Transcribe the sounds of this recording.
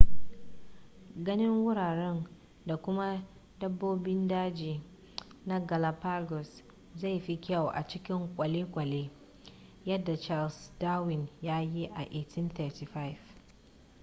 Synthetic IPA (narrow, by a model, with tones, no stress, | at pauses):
ɡɐ˦nɪ˦ŋwʊ˦ɽaː˨ɽɛ˦n | da˨kʷʊ˦ma˦ | dɐ˦bːoː˦bɪ˦ndaː˦d͡ʒiː˨ | na˦ɡa˨la˨pa˦ɡɔ˨s | za˦˨jɸi˦kʲa˦˨wʔa̰˨t͡ʃɪ˦kʲɪ˦ŋkʷʼɐ˨leː˦kʷʼɐ˨leː˦ | jɐ˦dːa˨t͡ʃa˦lsdaː˦wɪ˨njaː˦ji˦ʔa˨ʔe˦tʰɪ˦nt̪ɛː˦˨ti˨ɸa˦jf